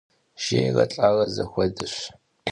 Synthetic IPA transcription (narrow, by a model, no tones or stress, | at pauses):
ʒ̥eːjʁɐ̰t͡ɬʼaːʁɐzɐxʷɔdɨɕ